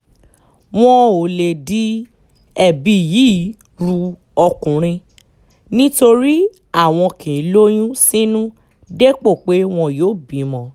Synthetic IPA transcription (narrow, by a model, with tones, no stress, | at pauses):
w̃ɔ̃˦o˨le˨di˦ | ɛ˨bi˧˨ji˨˦˨ | ɾu˧ | ɔ˧kũ˨ɾ̃ĩ˧ | nĩ˦to˧ɾi˦ | a˦˨w̃ɔ̃˧kĩ˨˦lo˦j̃ũ˦sĩ˦nũ˦ | de˦k͡po˦˨k͡pe˨˦w̃ɔ̃˧joː˦˨bĩ˨˦mɔ̃˨˧